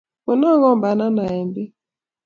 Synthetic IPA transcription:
mu˨nɔ˦ɣɔ˦mba˨na˦na˨ɛ˨mbi˦

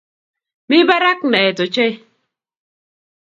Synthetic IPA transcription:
mi˦ba˦ɾa˦k̚nɛ˨to˨t͡ʃe˦

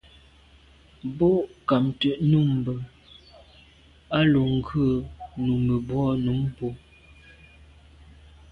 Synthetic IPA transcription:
bo˦˨ʔka˨mtə˨ʔnu˦˨m˨bə˨ | a˦lo˨ŋ̩˦ɡə˦˨nu˨mə˨bwɔ˦nu˨˦mpo˦

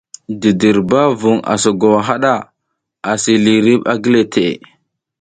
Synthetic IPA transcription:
di˨di˨ɾba˦vu˨ŋa̰˨so˨ɡo˨wa˨ɦa˦ɗa˦˨ | a˨si˨li˨ɾi˦ɓa˦ɡi˦le˨tʰe˨

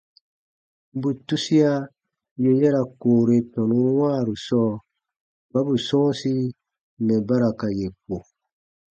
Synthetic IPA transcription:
bu˨tu˦si˦a˦ | je˨jɛ˦ɾa˨koː˨ɾe˨tɔ̃˨nũ˨˦wãː˦˨ɾu˨sɔː˦ | ba˦bu˨sɔ̃ː˦si˦ | nɛ˨ba˦ɾa˨ka˨je˨k͡po˨

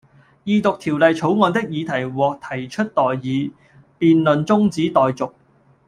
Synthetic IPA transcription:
jiː˨˧t̪ʊ˨k̚t̪ʰiː˨˩wlɐ˨jt͡sʰo˨˥wŋɔː˨˧nt̪ɪ˥k̚jiː˨˧t̪ʰɐ˨˩jwɔː˨k̚t̪ʰɐ˨˩jt͡ʃʰɵ˥t̚t̪ɔː˨jːiː˨˧ | piː˨nlɵ˨nt͡sʊ˥ŋt͡siː˨˥t̪ɔː˨jt͡sʊ˨k̚

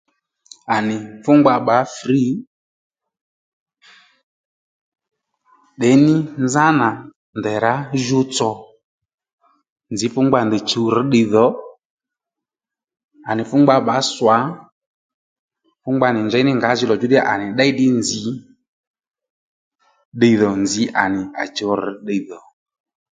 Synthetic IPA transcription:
a˨nɪ˨fʊ˦ŋ͡mɡ͡ba˧ɓa˨˦fri˨˦ | ɗɛ˨˦nɪ˦nd͡za˦na˨ | nd̪ɛ˨ɾa˨˦ʒu˧t͡sɔ˨ | nd͡zi˨˦fʊ˦ŋɡ͡ba˧nd̪ɛ˨t͡ʃu˨˧ɾ̩˨˦ɗɪ˧ðɔ˨˦ | a˨nɪ˨fʊ˦ŋ͡mɡ͡ba˧ɓa˨˦swa˨˦ | fʊ˦ŋ͡mɡ͡ba˧˨nɪ˨ɲd͡ʒɛ˨˦nɪ˦ŋɡa˨˦zɪ˧lɔ˨d͡ʒu˨˦ɗɛ˦a˦˨ʔa˨nɪ˨ɗɛ˦i˦ɗɪ˦nd͡zi˨˦ | ɗe˧iðɔ˨nd͡zi˨˦ʔa̰˨nɪ˨a̰˨t͡ʃə˨˧wɾ̩˨˦ɗe˧˨ðɔ˨

